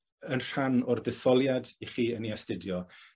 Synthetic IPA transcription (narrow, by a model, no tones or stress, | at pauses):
ənr̥anʊrðɪθɔlˠjadiχiːəniɛstɪdjɔ